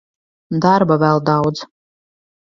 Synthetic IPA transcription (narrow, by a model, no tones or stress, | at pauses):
d̪aɾbavɛlˠd̪awd̪z